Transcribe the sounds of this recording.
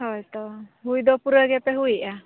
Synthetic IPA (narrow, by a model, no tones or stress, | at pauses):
hɔjt̪ɔɦujd̪ɔpuɾəɡɛpɛɦujʔa